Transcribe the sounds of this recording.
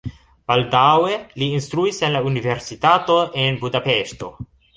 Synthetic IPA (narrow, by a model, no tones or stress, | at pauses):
b̥aldaweliːnst̪ɾuisenlaunive̞ɾsitato̞ʔenbudapeʃto̞̰